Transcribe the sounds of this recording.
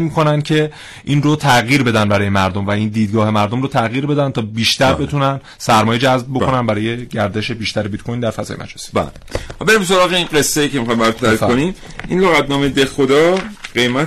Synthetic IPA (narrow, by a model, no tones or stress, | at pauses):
miːkʰo̞næncʰe̞ | ʔiːnrot̪ʰæɣjiːɾbe̞d̪ænbæɾɒːjemæɾd̪omvæiːnd̪iːd̪ɡɒːɦe̞mæɾd̪o̞mɾot̪ʰæɣjiːɾbe̞d̪ænt̪ʰɒːbiːʃt̪æɾbe̞t̪ʰunæn | sæɾmɒːjed͡ʒæzb̚bo̞kʰo̞nænbæɾɒːje̞ɟæɾd̪e̞ʃebiːʃt̪æɾebit̪̚kʰojnd̪æɾfæzɒ̰ːjemæ̰d͡ʒesi̥bæ̰l | be̞ɾimso̞ɾɒːɣeinɢe̞sːejiːcemixɒjmbæɾt̪t̪ʰæɾikonim | ʔinloɣæt̪̚nɒːmejd̪exod̪ɒːɢe̞jmæ